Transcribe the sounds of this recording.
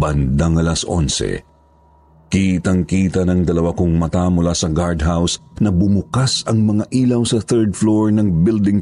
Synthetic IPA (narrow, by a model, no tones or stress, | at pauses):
bɐnd̪aŋɐlɐsʔo̰nsɛ̰ | kit̪ɐŋkiːt̪ɐnɐŋd̪ɐlɐwakʊŋmɐt̪amʊlasɐɡaɹd̪ɦawsnɐbʊmʊkasɐŋmɐŋaʔiːlɐwsɐθɛɹd̪floɹnɐŋbɪld̪ɪŋ